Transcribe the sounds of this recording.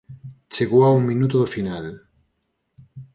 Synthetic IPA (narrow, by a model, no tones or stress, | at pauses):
t͡ʃeɣoauŋmĩnut̪ʊðofinal